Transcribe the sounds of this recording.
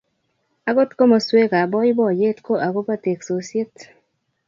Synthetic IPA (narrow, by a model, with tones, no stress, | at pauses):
a˨ɡo˦t̪ko˦mo˨swe˦ka˨bɔ˦ji˦bɔ˦˨je˦t̪ko˦ʔa˨ɡo˦pa˦te˨kso˨sje˦t̪